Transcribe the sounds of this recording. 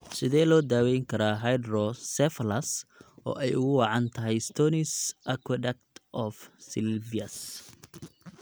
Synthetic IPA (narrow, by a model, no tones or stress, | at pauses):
sɪðɛːlɔːd̪aːwɛjŋkʰɐɾaːɦajd̪rɔsɛflɐsɔ̰ːʔɛjʊɣʊwɑʕɑnt̪ʰɐɦɛjst̪ʰɔːnɪsʔɐkʰwɐdɛk̚t̪ʔɔfsɪlviɐs